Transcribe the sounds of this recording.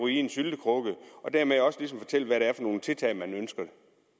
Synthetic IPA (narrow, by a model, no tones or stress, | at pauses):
uinsyld̥əkʰʁɔɡ̥əʔɒ̽d̥æɐmeɒ̽səlisɒmfɒ̥̽t͡sʰel̰ʋæɾeæɐfɒ̽no̝ːn̩t͡sʰe̝lt͡sʰɛ̰ɪmænønsɡ̥ɐd̥e̝